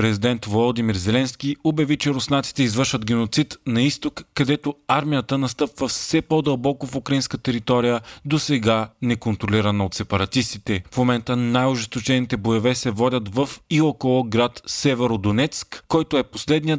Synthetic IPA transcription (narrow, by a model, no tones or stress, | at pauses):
pɾɛzʲid̪ɛnt̪volˠod̪imiɾzɛlɛnsk̟iobɐvit͡ʃɛɾʊsnat̪si̥t̪ɛizvəɾʃvəd̪ɡ̟ɛnot̪sit̪nɐist̪okːɐd̪ɛt̪oaɾmijət̪ənɐst̪ɤpvəfsɛpɔd̪ɐlˠbɔkofʊkɾɐinskət̪ɛɾit̪ɔɾijəd̪osɛɡanɛkont̪ɾoliɾɐnɐot̪sɛpɐɾɐt̪ist̪it̪ɛfmomɛnt̪ənajʊʒɛst̪ot͡ʃɛnit̪ɛbojovɛsɛvɔd̪ʲət̪vɐfiokolˠoɡɾat̪sɛvɛɾod̪onɛt̪skːɔjt̪oɛposlɛd̪nijə